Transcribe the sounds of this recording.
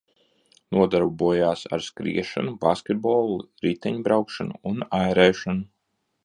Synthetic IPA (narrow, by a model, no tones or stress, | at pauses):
nuɔd̪aɾbubuɔjaːsa̰ɾskɾḭɛʃa̰nubaskʲɛt̪̚bɔːlˠuɾit̪ɛɲbɾawkʃanṵːnajɾɛːʃanu